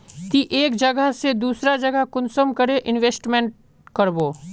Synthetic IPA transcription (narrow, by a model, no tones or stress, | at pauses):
t̪iʔeːkd͡ʒɐɡəɦsed̪uːsɾad͡ʒɐɡəkʊnsəmkəɾeʔɪnʋeːsʈmẽɳʈ̚ | kɐɾboː